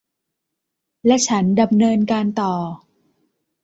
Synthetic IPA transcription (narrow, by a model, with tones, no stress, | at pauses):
lɛ˦˥ʔt͡ɕʰa˦˥nda˧mnɤː˧nkaː˧nt̪ɔː˨˩